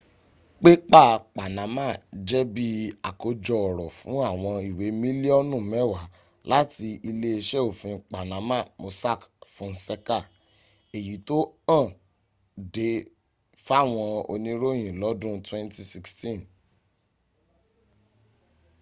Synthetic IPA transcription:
k͡pe˦k͡pa˦˨k͡pa˨nã˨˦mã˦˨d͡ʒɛ˦bi˦a˨ko˧d͡ʒɔ˧ɔ˨ɾɔ˨fũ˨˦a˦˨w̃ɔ̃˧i˨we˨˦mĩ˦li˦ɔ˦nũ˦˨mɛ˦˨wa˨˦ | la˦ti˧i˧le˧e˧ʃɛ˦o˦˨fĩ˧k͡pa˨nã˨˦mã˦˨mo˨˧sa˦˨kfũ˨˦n̩˦sɛ˦ka˦˨ | e˨ji˨˦to˦ã˦˨ | de˨˦ | fa˦˨w̃ɔ̃˧o̰˧nĩ˦ɾo˦j̃ĩ˨lɔ˨˦dũ˦twɛ̃˦nti˦si˧kstĩ˦˨n

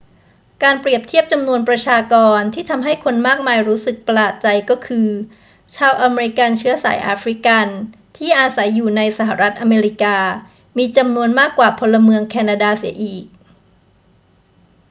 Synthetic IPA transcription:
kaː˧npɾi˨˩əp̚t̪ʰi˥˩əp̚t͡ɕa˧mnu˧ənpɾa˧t͡ɕʰaː˧kɔː˧nt̪ʰiː˥˩t̪ʰa˧mɦa˥˩jkʰo˧nmaː˥˩k̚maː˧jɾuː˦˥sɯ˨˩k̚pa˧laː˨˩t̪̚t͡ɕa˧jkɔː˥˩kʰɯː˧ | t͡ɕʰaː˧wʔa˧meː˧ɾi˦˥ka˧nt͡ɕʰɯ˦˥ɐsa̰ː˩˦jʔa̰ː˧fɾi˦˥ka˧n | t̪ʰiː˥˩ʔaː˧sa˩˦jːuː˨˩na˧jsa˨˩ɦa˨˩ɾa˦˥t̪̚ʔa˧meː˧ɾi˦˥kaː˧ | miː˧t͡ɕa˧mnu˧ənmaː˥˩kwaː˨˩pʰo˧lːa˧mɯ˧əŋkʰɛː˧na˧daː˧si˩˦ɐʔiː˨˩k̚

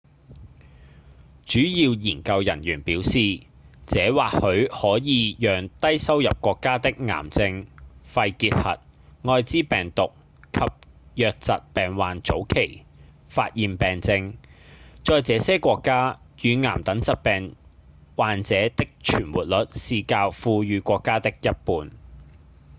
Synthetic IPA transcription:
t͡ʃyː˨˥jiː˧wjiː˨˩nkɐ˧wjɐ˨˩njyː˨˩npiː˨˥wsiː˨ | t͡sɛː˨˧˥waː˨k̚hɵ˨˧ɥhɔː˨˥jiː˨˧jœː˨ŋt̪ɐ˥jsɐ˥wjɐ˨p̚kʷɔː˧kːaː˥t̪ɪ˥k̚ŋa̰ː˨˩mt͡sɪ˧ŋfɐ˧jkiː˧t̚hɐ̰˨t̚ŋɔː˧jt͡siː˥pɛː˨˩ŋt̪ʊ˨k̚ | kʰɐ˨p̚ | jœː˨k̚t͡sɐ˨t̚pɛː˨nwaː˨nt͡so˨˥wkʰe˨˩j | faː˧t̚jiː˨˩npɛː˨ŋt͡sɪ˧ŋ | t͡sɔː˧jt͡sɛː˨˧sɛː˥kʷɔː˧kːaː˥ | jyː˨˧ŋa̰ː˨˩mt̪ɐ˨˥ŋt͡sɐ˨t̚pɛː˨ŋ | waː˨nt͡sɛː˨˥t̪ɪ˥k̚t͡ʃʰyː˨˩nwuː˨t̚lɵ˨˥t̚siː˧kaː˧wfuː˧jyː˨˧kʷɔː˧kːaː˥t̪ɪ˥k̚jɐ˥t̚puː˨˧n

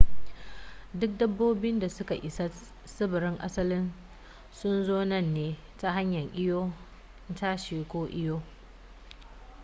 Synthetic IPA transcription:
dʊ˦k̚dɐ˦bːoː˦bɪ˦nda˨sʊ˦ka˨ʔɪ˨sa˦ | sɪ˦bɪ˨ɾɪ˦ŋʔa̰˦sɐ˦lɪ˦n | sʊ˦nzoː˦nɐ˦˨nːeː˨˦ | ta˦ɦa˦ɲjɐ˨ɲʔʲɪ˦joː˦ | ntaː˦ʃeː˨kʷoː˦ʔɪ˦joː˦

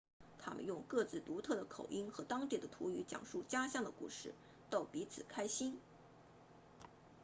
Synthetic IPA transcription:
t̪ʰa̰˥mə̰˨njʊ˥˧ŋkɤ˥˧t͡sɹ̩˥˩t̪u˧˥t̪ʰɤ˥˩d̪ə˩kʰo˨˩ʊʔi˥nxɤ˧˥t̪ɑ˥ŋt̪i˥˩d̪ə˦t̪ʰṵ˧˥y˧˥t͡ɕjɑ̰˨˩ŋʂu˥˩t͡ɕja˥ɕjɑ˥˩ŋd̪ə˩kṵ˥˧ʂɻ̩˥˩ | t̪ɑ˥˩ʊpi˧˥t͡sʰɹ̩˨˩kʰa˥ɪɕi˥n

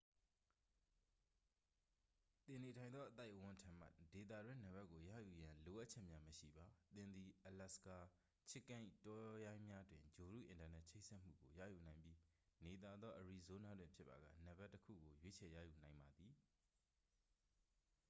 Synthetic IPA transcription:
t̪ɪ̃˨ne˨tʰã˨ɪ̃nd̪ðɔ˦ʔət̪a˦ɪʔwʊ̃˦ntʰã˨m̥a̰˦ʔd̥e˨t̪ä̰˦˨dwɪ̃˦nə˨bɛ˦ʔkːo˨jä̰˦˨ju˨jã˨lo˨ʔa˦ʔ̚t͡ɕʰɛ˦ʔmja˦məʃḭ˦˨ba˨t̪ɪ̃˨nd̪ði˨ʔə˨la˦˨ska˨ | t͡ɕʰɪ˦kːã˦ɪ̃tɔ˦jã˦ɪ̃mja˦dwɪ̃˨ɲd͡ʑo˨ɾṵ˦˨ʔɪ̃˨nta˨nɛ˦ʔt͡ɕʰe˦ɪʔsɛ˦ʔm̥ṵ˦˨ɡo˨jä̰˦˨ju˨nã˨ɪ̃mbji˦ne˨t̪a˨d̪ðɔ˦ʔəɹi˨zo˦na˦dwɪ̃˨mpʰjɪ˦pːa̰˨ɡä̰˦˨nə˨bɛ˦ʔtːəkʰṵ˦˨ɡo˨jwe˦t͡ɕʰɛ˨jä̰˦˨ju˨nã˨ɪ̃mba˨d̪i˨

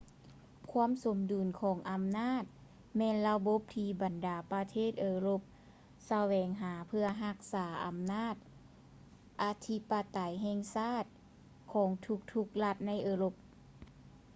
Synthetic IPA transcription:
kʰu˧˥əmso˨˩˦mduː˨˩nkʰɔː˩˦ŋʔa˨mnaː˥˩t̪̚ | mɛː˧˨nla˧bo˧˦p̚t̪ʰiː˧ba˨ndaː˨˩pa˧t̪ʰeː˥˩t̪̚ʔɤː˧lo˧˦p̚ | sa˧wɛː˨˦ŋɦaː˩˦pʰɯ˧ɐɦa˧k̚saː˩˦ʔa̰˨˦mnaː˥˩t̪̚ | ʔa˧t̪ʰi˧˥pa˧t̪a˨˩jɦɛː˧˨ŋsaː˥˩t̪̚ | kʰɔː˩˦ŋt̪ʰu˧k̚t̪ʰu˧k̚la˧t̪̚na˧˥˨jʔɤː˧lo˧p̚

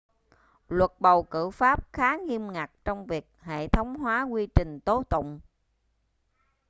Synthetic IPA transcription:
lwə˨˩t̚ɓə˨˩wkɨ̰˧˩faː˦˥p̚xaː˨˦ŋi˧əmŋa˨˩k̚t͡ɕɔ˧wŋ͡mvi˨˩ək̚hḛ˧˨t̪ʰə˨˦wŋ͡mɦwaː˨˦kwi˧t͡ɕï˨˩ŋ̟t̪o˨˦t̪ʊ̰˧˨ŋ͡m

